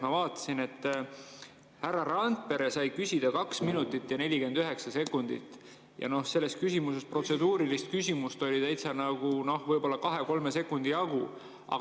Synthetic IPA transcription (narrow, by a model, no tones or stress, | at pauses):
mɑvɑːt̪ːˑɑ̥sine̞t̪ˑː | hærːɑɾɑnt̪̚pe̞ɾesɑjkysʲid̪̥ɑkɑksminut̪ːˑit̪ːjɑne̞lʲike̞nd̪yɦe̞ksɑse̞kːˑund̪̥ḭt̪ːˑ | jɑ̰no̞hse̞lːe̞st̪kysʲimuse̞spro̞t̪se̞d̪uːɾilist̪̚kysʲimust̪o̞lʲit̪æjt̪sɑnɑɡ̥uno̞hvɤjb̥o̞lːɑkɑɦe̞ko̞lme̞se̞kːˑund̪̥iɑɡ̥u | ɑ̰ɡ